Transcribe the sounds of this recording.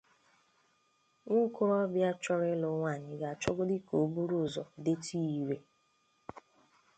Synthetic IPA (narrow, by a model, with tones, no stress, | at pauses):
ŋʷʊ˦kʊ˦ɾɔ˦bja˦t͡ʃɔ˦ɾɪ˦lʊ˨˦ŋʷa˦˨ɲɪ˨ɡa˨t͡ʃɔ˦ɡʊ˦dɪ˦ko˨bu˦ɾu˦˨zɔ˨de˦tʰi˦i˨ɾe˨